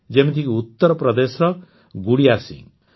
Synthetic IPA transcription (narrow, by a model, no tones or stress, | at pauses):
d͡zemit̪ʰikuut̪ːʌɾɔpɾʌd̪esɾʌ | ɡuɽijasḭ̃ŋ